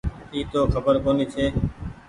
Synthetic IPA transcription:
iːt̪oːxʰəbəɾkoːniːt͡ʃʰeː

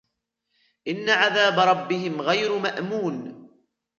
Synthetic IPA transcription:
ʔɪnːaʕaðaːbaɾˤɑbːɪɦɪmɣajɾmaʔmuːn

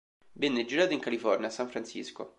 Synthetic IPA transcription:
bɛnːɛd͡ʒiɾaːt̪oiŋkalifɔrnjasːaɱfɾant͡ʃḭsko̰

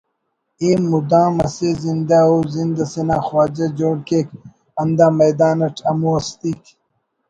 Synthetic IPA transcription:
eːmːud̪ãːmɐseːzind̪aoːzind̪ɐsenãːxwaːd͡ʑɐd͡ʑoːɽkeːk | ɐnd̪aːmɐjd̪aːnɐʈʰɐmuɐst̪iːk

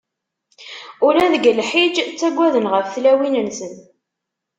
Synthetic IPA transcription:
ʊɾæðəɡəlħid͡ʒt͡sːæɡʷːæðənʁəfθlæwinənsən

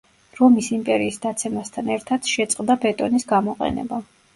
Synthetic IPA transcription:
ɾɔmisimpʼɛɾiːsd̪at̪sʰɛmast̪ʰanɛɾt̪ʰad̪̥ʃɛt̪sʼqʼd̪abɛt̪ʼɔnisɡamɔqʼɛ̰nɛ̰ba

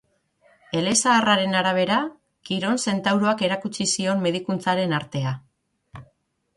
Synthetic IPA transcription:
e̞le̞saːraɾe̞naɾaβ̞e̞ɾa | kiɾo̞nse̞nt̪awɾo̞ake̞ɾakut͡ʃisio̞mːe̞ð̞ikunt͡saɾe̞naɾt̪e̞a

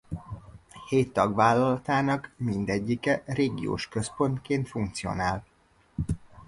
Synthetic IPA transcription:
heːt̪ːɒɡvaːlːɒlɒt̪aːnɒkmind̪ɛɟːikɛreːɡḭjo̰ːʃkø̞spo̞nt̪keːnt̪fuŋk̚t̪sio̞̰naːl

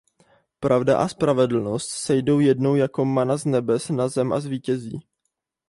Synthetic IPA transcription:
pɾʔavda̰ʔaspɾavɛdl̩no̞st̪sɛjdo̞wjɛdnowjako̞manaznɛbɛsnazɛmʔa̰zviːcɛzḭː

